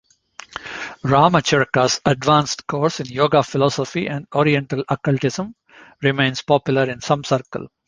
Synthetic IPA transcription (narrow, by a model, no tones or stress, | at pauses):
ɾaːmət͡ʃɪɾkasɐɖʋãːnsʈkoːɾsɪ̃njoːɡaːfɪlɔːsɔfiʔɛ̃ɳɖɔːɾiɛ̃ɳʈəlɐkəlʈɪsə̃m | ɾɪmẽɪ̃nspɔːpjʊləɾɪ̃nsʌ̃msəɾkə̰l